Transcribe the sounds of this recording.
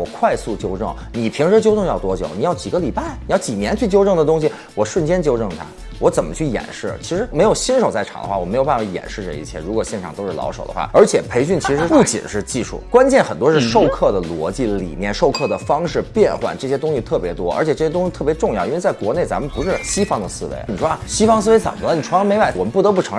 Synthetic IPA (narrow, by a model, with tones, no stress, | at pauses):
wɔ˨˩kʰwa˥˧ɪsu˥˩t͡ɕjo˥ʊʈ͡ʂɤ˥˩ŋ | ni˨˩pʰi˧˥ŋʈ͡ʂɻ̩˧˥t͡ɕjo˥ʊʈ͡ʂɤ˥˧ŋjɑ˥˩ʊt̪wɔ˥t͡ɕjo̰˨˧˩ʊni˨˩jɑ˥˩ʊt͡ɕi˨˩ɡə˦li˨˩pa˥˩ɪni˨˩jɑ˥˩ʊt͡ɕi˨˩njɛ˧˥nt͡ɕʰy˥˩t͡ɕjo˥ʊʈ͡ʂɤ˥˩ŋd̪ə˩t̪ʊ˥ŋɕ̬i˩ | wɔ˨˩ʂwə˥˩nt͡ɕjɛ˥nt͡ɕjo˥ʊʈ͡ʂɤ˥˩ŋt̪ʰa̰˥ | wɔ˧˥t͡sə˨˩mə̰˦t͡ɕʰy˥˩jɛ̰˨˩nʂɻ̩˥˩t͡ɕʰi˧˥ʂɻ̩˧˥me˧˥ɪjo˨˩ʊɕi˥nʂo˨ʊt͡sa˥˩ɪɑ˨˩ŋd̪ə̰˦xwa˥˩ɔ˨˩m˧˥jo˨˩ʊpa˥˩fa˧˩jɛ̰˨˩nʂɻ̩˥˧ʈ͡ʂə̰˥˧˩ḭ˥˩t͡ɕʰjɛ̰˥˩ɻu˧˥kwɔ˨˩ɕjɛ˥˩ʈ͡ʂʰɑ˨˩ŋt̪o˥ʊʂ̩ɻ̩˥˩lɑ̰˧˥ʊʂo̰˨˩ʊd̪ə̰˦xwa̰˥˩ə˞˧˥t͡ɕʰjɛ˨˩pʰe˧˥ɪɕy˥˩nt͡ɕʰi˧˥ʂɻ̩˧˥pu˥˩t͡ɕḭ˨˩nʂɻ̩˥˧t͡ɕi˥˧ʂṵ˥˩kwa˥nt͡ɕjɛ˥˩nxə˨˩nt̪wɔ˥ʂɻ̩˥˧ʂo˥˧ʊkʰɤ˥˩d̪ə˩lwɔ̰˧˥t͡ɕi˥˩lḭ˨˩njɛ˥˧nʂo˥˧ʊkʰɤ˥˩d̪ə˩fɑ˥ŋʂɻ̩˥˧pjɛ˥˧nxwa̰˨˩nʈ͡ʂɤ˥˩ɕjɛ˥t̪ʊ˥ŋɕi˧t̪ʰɤ˥˩pjɛ˧˥t̪wɔ˥ə̰˞˧˥t͡ɕʰjɛ˨˩ʈ͡ʂɤ˥˩jɛ˥t̪ʊ˥ŋɕt̪ʰɤ˥˩pjʈ͡ʂʊ˥˧ŋjɑ˥˩ʊi˥e˧t͡sa˥˩ɪkwɔ˧˥ne˥˩ɪt͡sa˧˥mə˨npu˧˥ʂɻ̩˥˩ɕi˥fɑ˥ŋd̪ə˨sɹ̩˥ʋḛ˧˥ɪ˩ni˨˩ʂwɔ˥a˧˩ɕi˥fɑ˥ŋsɹ̩˥˧e˧˥ɪt͡sə˨˩mə˦lə˧˩ni˨˩ʈ͡ʂʰɑ˧˥me˧˥ɪpa˥˩wɔ˨˩mə˦n˥pu˥˩t̪ɤ˧˥pu˥˩ʈ͡ʂʰɤ˧˥ŋ